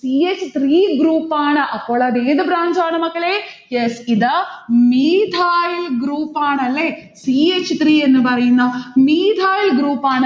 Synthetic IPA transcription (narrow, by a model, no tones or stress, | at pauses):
siːet͡ʃːt̪ʰɾiːɡɾuːpaːɳɐʔɐkoːɭad̪eːd̪ɐbɾaːɲd͡ʒaːɳɐmɐkːɐɭejesid̪ɐmiːd̪ʱaːjlɡɾuːpaːɳɐlːesiet͡ʃt̪ɾiːenːubɐɾɐjind̪ɐmiːd̪ʱaːjlɡɾuːpaːɳɐ